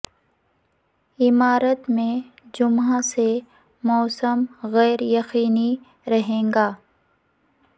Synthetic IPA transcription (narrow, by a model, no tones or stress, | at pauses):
ɪmaːɾət̪mẽ | d͡ʒʊmɦase | mɔːsəmɣɛːɾjɐxiːni | ɾɐɦẽːŋɡaː